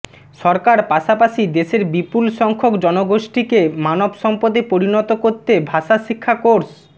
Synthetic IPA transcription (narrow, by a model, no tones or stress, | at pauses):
ʃɔɾkaɾpaʃapaʃid̪eʃeɾbipulʃɔŋkʰokd͡ʑɔnoɡoʃʈikemanobʃɔmpod̪epoɾinɔt̪okoɾt̪ebʱaʃaʃikʰːakoɾs